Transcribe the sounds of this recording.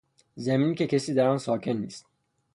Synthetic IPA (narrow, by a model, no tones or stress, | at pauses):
zeminicʰecʰesid̪æɾansɑːcʰenːist̪